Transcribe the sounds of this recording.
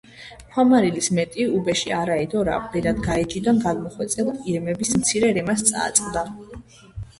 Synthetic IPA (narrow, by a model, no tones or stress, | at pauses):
χʰwamaɾilismɛt̪ʼiubɛʃiaɾaɛd̪ɔɾa̰pʼlɛɾad̪ɡaɛd͡ʒid̪anɡanmɔχwɛt̪sʼɛliɾmɛbismt̪sʰiɾɛɾɛmast̪sʼa̰ːt̪sʼqʼd̪a